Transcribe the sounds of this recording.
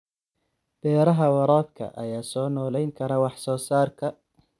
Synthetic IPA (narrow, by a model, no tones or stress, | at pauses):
b̥ɛːɾɐɦɐwɑɾɔːbkʰɐ̰ʔɐ̰jaːsɔːnɔːlɛjŋkʰɐɾɐwɑħsɔːsaːrkʰɐ